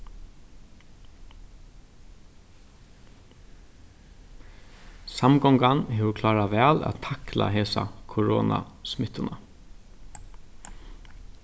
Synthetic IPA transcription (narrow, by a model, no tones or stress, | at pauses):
samɡɔŋɡanɦeːʋʊkʰlɑːɾaʋæːla̰ːt̪ʰakla̰ɦeːsa̰kʰʊɹɔ̰ːna̰smɪt̪ʊna